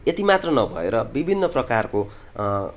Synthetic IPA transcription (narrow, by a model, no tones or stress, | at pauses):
et̪imat̪rʌnʌbʱʌḛɾʌbibʱinːʌprʌkarko